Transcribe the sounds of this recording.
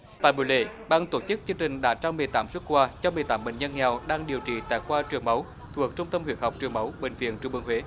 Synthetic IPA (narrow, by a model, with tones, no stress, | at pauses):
t̪a̰ː˧˨jɓṵ˧˩˦lḛ˧˩ɓaː˧ŋt̪o˧˩t͡ɕɨ˦˥k̚t͡ɕɨ˧ŋt͡ɕï˨˩ŋ̟ɗa̰ː˧˥t͡ɕaː˧wmɨ˨˩əjt̪aː˨˦mswə˦˥t̚kwaː˧t͡ɕɔ˧mɨ˨˩əjt̪aː˨˦mɓḛ˧˨ŋ̟ɲə˧nŋɛ˨˩wɗaː˧ŋɗi˨˩əwt͡ɕḭ˧˨˩t̪a̰ː˧˨jkwaː˧t͡ɕɨ˨˩əŋmə˨˦w | t̪ʰu˨˩ək̚t͡ɕʊ˧ŋ͡mt̪ə˧mhwi˧˩ət̚ha˨˩k͡p̚t͡ɕɨ˨˩əŋmə˨˦wɓḛ˧˩ŋ̟vḭ˧˨ənt͡ɕɓɨ̰˧ŋhwe˨˦